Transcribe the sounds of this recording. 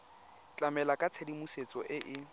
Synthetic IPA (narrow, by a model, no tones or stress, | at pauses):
t͡ɬʼamɛlakʼat͡sʰedimuset͡sʼɔʔɪʔɪ